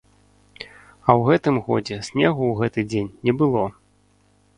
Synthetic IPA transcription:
ɐwɣɛt̪ɨmɣɔd͡zʲɛsʲnʲɛɣuwɣɛt̪ɨd͡zʲenʲːɛbɨlˠɔ

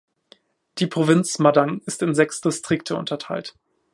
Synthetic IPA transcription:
d̥iːpʁ̥ovɪnt͡smadaŋɪstɪnzɛksd̥ɪstʁ̥ɪktʰəʊ̰ntʰɐtʰaɪlt

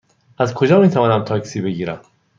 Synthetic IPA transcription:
ʔæzkʰo̞d͡ʒɒːmiːt̪ʰævɒːnæmt̪ʰɒːksiːbe̞ɡiːɾæm

